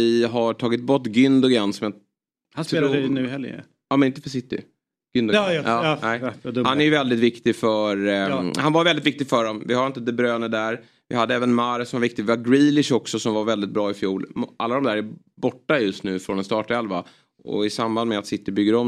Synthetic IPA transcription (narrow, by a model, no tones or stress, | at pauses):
ɪɦaʈʰɑːɡɪt̪̚bɔʈːɡʏnd̪ʊɡɛnːsɔmja | sɛnʉhɛlː | ɑːmɛnɪnt̪əfœʂs̬ɪt̪ːɪ̰ | ɡ̥ʏnd̪ɑːnɛɪhanæjəvɛld̪ɪt̪vɪkt̪ɪfœɾhanvaɾvɛld̪ɪt̪vɪk̚t̪ɪɡfœɖɔmvɪhaɾɪnt̪əd̪ɛbɾøːnəd̪æɾ | vɪɦad̪ːəɛːvənmaɾsɔmvaɾvɪkt̪ɪɡvɪvaɾɡɾiːlɪʂɔksɔsɔmvaɾvɛld̪ɪt̪̚bɾɑːɪfjuːlʔalːad̪ɔmd̪æːɾæ | bɔʈːajɵst̪nʉ̟ːfɾɔnɛst̪ɑːʈɛlva | ɔ̰ɪsamband̪mɛat̪sɪt̪ːɪbʏɡːəɾɔm